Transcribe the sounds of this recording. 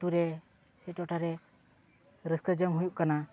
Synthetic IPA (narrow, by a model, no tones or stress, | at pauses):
ʈuɾɛ | sɛʈɔʔʈaɾɛ | ɾəskəd͡ʒəmɦujuʔkana